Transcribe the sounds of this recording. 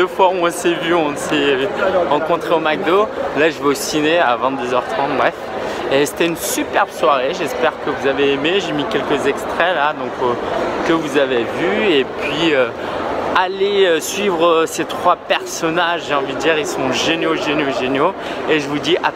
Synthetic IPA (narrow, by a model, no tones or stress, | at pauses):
d̪əfwauɔ̃sɛvyɔ̃sɛʁɑ̃kɔ̃t̪χeomaɡ̚d̪olaʒəvøosineavɛ̃t̪d̪øzœʁt̪χɑ̃t̪̚bʁɛf | ese̥t̪ɛynsypɛʁbswaʁeʒɛspɛʁkəvuzaveːmeʒemikʲɛlkəzɛkst̪χɛlad̪ɔ̃kkəvuzavevyepɥiø | aleøsɥivʁəset̪χwapɛʁsɔnaʒʒeɑ̃vid̪əd̪iʁilsɔ̃ʒenoʒenoʒenjo | eʒəvud̪iʔa